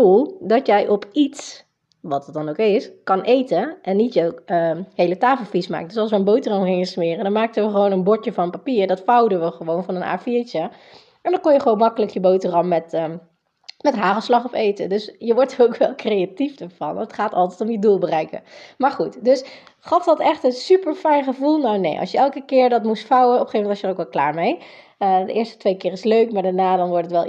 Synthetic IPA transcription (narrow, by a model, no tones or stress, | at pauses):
dulˠdɑtjɛjʔɔpits | ʋɑtət̚dɑnowkɪskɑnʔejtəʔɛnːitjəwəhejlətaːfl̩ˠfisma̰ːkədøsɑlˠsʋəənbowtərɑmχɪŋəsmɪːrədɔnmaːk̚təʋəχəʋoːnənbɔɹtjəvɑnəpapiːɹdɔtfawdənʋəχəʋownvɑnəna̰ːfiːɹt͡ʃə | ɛndɔkɔnjəχəʋoːnmɑkələkjəbowtərɑmːɛt | mɛtɦaːχəslɑχɔfeːtədøsjəʋɔɹtərowkʋɛlˠkrejatifdəɹv̥ɑ̰nətχaːtɑ̰lˠtɛjtɔmjədulˠbərɛjkə̰maːɹχutdøs | χɑfdɑtɛχtənsypəɹfɛjnχəvulˠnawnḛjʔɑ̰lˠsjəɛlˠkəkɪːɹdɑtmustfawəɔpəχejvmɛntɔsjərowkʋɛlˠkla̰ːɹmejədəʔɪːɹstə̥tʋejkɪːrɪsløɥkmaːɹdaːɹnaːdɑnʋɔɹtətʋɛlˠ